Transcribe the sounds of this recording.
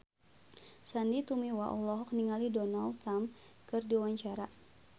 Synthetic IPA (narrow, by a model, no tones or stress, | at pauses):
sandit̪umiwaʔɔ̰lɔɦɔk̚niŋalidɔnalamkɨrdiwaɲt͡ʃaɾa